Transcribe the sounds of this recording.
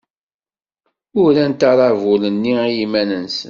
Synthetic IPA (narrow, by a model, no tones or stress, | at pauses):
ʊɾænt̪ɑɾˤɑvʊlənːijimænənsən